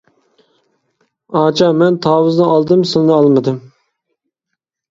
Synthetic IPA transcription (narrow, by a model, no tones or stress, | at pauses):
ɑːt͡ʃʰɑmɛnt̪ʰɑːwɨznɨɑlˠd̪ɨmsɨnnɨɑlˠmɨd̪ɨm